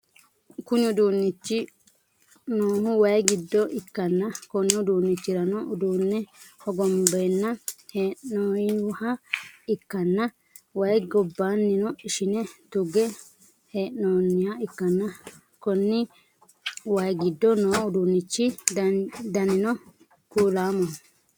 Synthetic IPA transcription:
kʊɲʊd̪uːnːɪt͡ʃːɪ | noːhʊwɐjɡɪd̪ːɔʔɪkːɐnːɐkɔnːʊʊd̪uːnːɪt͡ʃːɪɾɐnɔʔʊd̪uːnːɛɔɡɔmbɛnːɐheːʔnoːjhɐɪkːɐnːɐ | wɐjɡɔbːaːnːɪnɔɪʃɪnɛt̪ʊɡɛ | heːʔnoːnːɪjaɪkːɐnːɐ | kɔnːɪ | wɐjɡɪd̪ːɔnoːʊd̪uːnːɪt͡ʃːɪ | d̪ɐnɪnɔ | kuːlaːmɔn

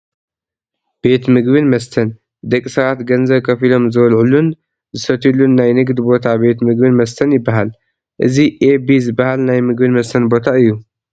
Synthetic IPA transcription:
b̥e̞t̪mɨɡbɨnmɐst̪ʰɐn | d̪ɐkʼsɐβat̪ɡɐnzɐβkʰɐfilo̞mzɐwɐlʕulun | zɨsɐt̪ʰilunːajnɨɡd̪ɨbo̞t̪ʰabe̞t̪mɨɡ̚bɨnmɐst̪ʰɐnjɪbːaɦal | ʔɨziʔebizɨbːahalnajmɨɡ̚bɨnmɐst̪ʰɐnbo̞t̪ʰaɨjːu

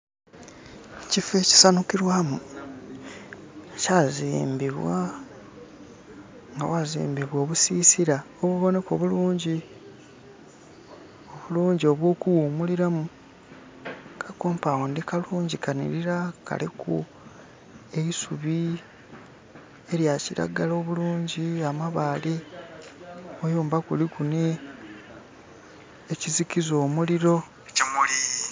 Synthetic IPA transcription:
cife̞ci̥sanukiɾwamu | caziːmbiβwa | ŋɡa̰wazḭːmbiβwo̞ːβusiːsiɾa | oβuβo̞ne̞ko̞βuluːɲɟi | o̞βuluːɲɟio̞βwo̞ːkuwumuliɾamu | kʰakoːmpawondikaluːɲɟikʰanḭɾiɾaka̰likṵ | e̞isuβi | e̞ɾjaciɾa̰ɡalo̞ːβuluːɲɟiamaβaːle | ojoːmbakulikune | ecizikizo̞ːmuliɾo̞ | cimuli

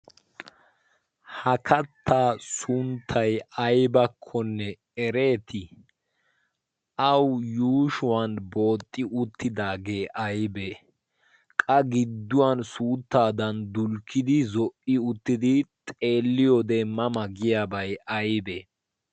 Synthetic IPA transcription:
hɐkʰɐt̪ːaːsʊnt̪ʰːɐjɐjbɐkʰːɔnːɛ | ɛɾe̞ːt̪ɪ | ʔɐwjuːʃʊwanbo̞ːt̪ʼːɪʔʊt̪ːɪd̪aːɡe̞ːʔɐjbɛ | kʼɐɡɪd̪ːʊwɐnsuːt̪ːaːd̪ɐnd̪ʊlkːɪd̪ɪzɔʔɪʊt̪ːɪd̪ɪt̪ʼe̞ːlːɪjɔd̪ɛmːɐmɐɡɪjaːbɐjɐjbe

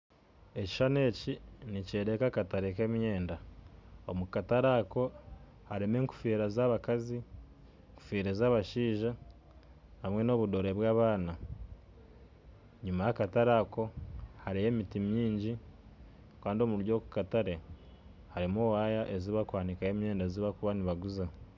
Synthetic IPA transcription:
e̞ci̥ʃane̞ːciniceɾekakataɾekemje̞ːndaomukataɾako̞ | haɾe̞me̞ːŋku̥fiːɾazaβakazi | ŋku̥fiːɾezaːβaʃiːʒa | hamŋe̞no̞βudo̞ɾe̞βwaːβaːna | ɲumajakataɾako̞haɾejeːmitimɲiːɲɟi | kaːndio̞muɾjo̞ːku̥kataɾe̞ | haɾimowajaʔeziβakwaːnikaemje̞ːndaeziβakuβaniβaɡuza

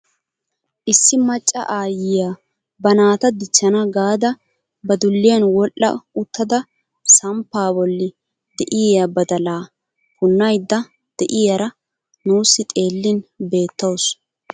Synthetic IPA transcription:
ʔɪsːɪmɐt͡ʃʼːɐ̰ʔaːjɪjaː | bɐnaːt̪ɐd̪ɪt͡ʃːɐnɐɡaːd̪ɐ | bɐd̪ʊlːɪjɐnwɔlʔːɐ̰ʊt̪ːɐd̪ɐ | sɐmpːaːbɔlːɪ | d̪ɛʔɪjjabɐd̪ɐlaː | pʊnːɐjd̪ːɐ | d̪̥ɛʔɪjɐɾɐ | nuːsːɪt̪ʼe̞ːlːɪnbe̞ːt̪ːɐws

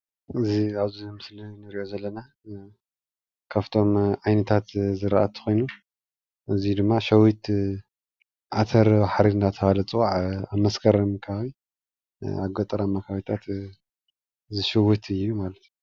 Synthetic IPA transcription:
ʔɨziaβzimɨslinɨɾiʔo̞zɐlːɐna | kʰaβt̪ʰo̞mʕajnɐt̪ʰat̪zɨɾaʔat̪ʰɨ̥xojnu | ʔɨzid̪ɨmːaʃɐwit̪ | ʕat̪ʰɐɾbaħɾiɨnd̪at̪ʰɐhalɐt͡sʼɨwaʕamɐskʰɐɾmkʰɐaβi | a̰ɡɐt̪ʼɐɾamːakʰawit̪ʰat̪ | zɨʃɨwɨt̪ʰɨjːumalɐt̪ju

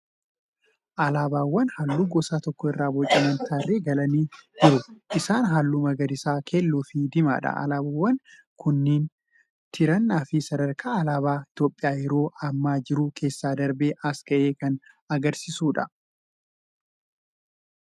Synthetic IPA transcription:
ʔɐlaːbaːwːɐnhɐlːuːɡɔsaːt̪ɔkːɔɪrːaːbɔt͡ʃʼːɐmɐnt̪ʰaːrːeːɡɐlɐniːd͡ʒɪɾʊʔɪsaːnɦalːuːmɐɡɐd̪ɪsaːkʰeːlːuːfɪd̪ɪma̰ːᶑɐ̰ɐ̰laːbawːɐn | kʊnːiːn | t̪ʰɪɾɐnːaːfɪsɐd̪ɐɾkʰaːɐlaːbaːɪt̪jo̞ːpʼːɪjaːjɛɾo̞ːʔɐmːaːd͡ʒɪɾʊkʰe̞ːsːaːd̪ɐɾbeːʔɐskɐʔeːkɐn | ɐɡɐɾsɪsuːᶑɐ

